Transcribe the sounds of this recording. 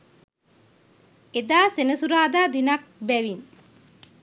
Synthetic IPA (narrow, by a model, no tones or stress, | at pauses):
ed̪aːsenəsuɾaːd̪aːd̪inɐk̚bɛʋin